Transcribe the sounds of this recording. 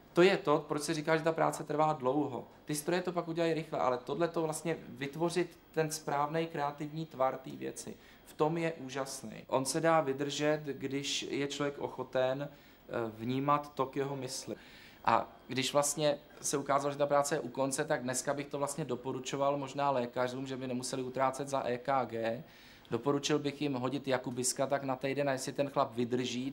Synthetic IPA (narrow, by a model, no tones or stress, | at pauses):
t̪o̞jɛt̪o̞pɾot͡ʃsɛɾiːkaːʒɛt̪apɾa̰ːt͡sɛt̪r̩vaːdlo̞wɦo̞̰ | t̪ɪst̪ɾo̞jɛt̪o̞pakʔuɟɛlajɾɪxlɛ̰ʔa̰lɛt̪o̞dlɛt̪o̞vlast̪ɲɛvɪt̪vo̞r̝ɪt̪ːɛnspɾaːvnɛjkɾɛat̪ɪvɲiːt̪vaɾt̪iːvjɛ̰t͡sɪ̰ | ft̪o̞mjɛʔuːʒasnɛ̰jʔo̞nsɛdaːvɪd̪r̩ʒɛt̪ɡdɪʃjɛt͡ʃlovjɛkʔo̞̰xo̞t̪ɛn | vɲiːmat̪ːokjɛɦo̞mɪslɪ | ʔa̰ | ɡdɪʃvlast̪ɲɛ | sɛukaːzaloʒɛt̪apɾaːt͡sɛjɛʔuko̞nt͡sɛt̪aɡ̚dnɛskabɪxt̪ovlast̪ɲɛdo̞po̞ɾut͡ʃo̞valmo̞ʒnaːlɛːkar̝uːmʒɛbɪnɛmusɛlɪut̪ɾaːt͡sɛd̪zaʔɛːkaːɡɛː | do̞po̞ɾut͡ʃɪlbɪxjɪmɦo̞ɟɪt̪jakubɪskat̪aknat̪ɛjdɛnajɛsɪt̪ɛnxlapvɪd̪r̩ʒiː